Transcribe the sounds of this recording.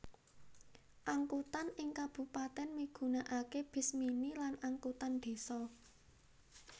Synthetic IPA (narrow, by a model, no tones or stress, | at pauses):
ʔaŋkut̪anɪŋkab̥ṳpat̪ɛnmiɡ̥ṳnaʔakeb̥ɪ̤sminilanaŋkut̪and̪̥e̤sɔ